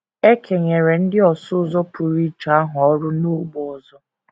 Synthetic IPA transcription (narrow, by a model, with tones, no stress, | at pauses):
e˦kʰe˨ɲe˨ɾe˨n̩˦dɪ˦ɔ˨sʊ˦zɔ˦pʰu˨ɾi˦t͡ʃa˦ɦʊ˨ɔ˦ɾʊ˦nu˦ɡ͡bɔ˨zɔ˦